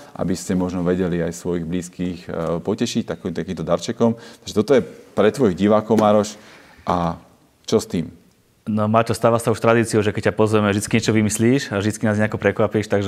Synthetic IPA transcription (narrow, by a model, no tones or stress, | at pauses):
ʔa̰biscɛmɔʒnɔʋɛɟɛliajsʋɔjiɣbliːskiːxpɔcɛʃict̪akt̪akiːmt̪ɔd̪aɾt͡ʃɛkɔmt̪aɡʒɛt̪ɔt̪ɔjɛpɾɛt̪ːʋɔjiɣɟiʋaːkɔʊmaːɾɔʃ | ʔa | t͡ʃɔst̪iːm | nɔmaːt̪ɔst̪aːʋasauʃt̪ɾad̪iːt͡siuʒɛkɛc̚cːapɔzʋɛmɛvʒd̪it͡skiɲɛt͡ʃɔʋimisliːʃavʒd̪it͡skinaːzɲɛakɔpɾɛkʋapiʃt̪aɡʒɛ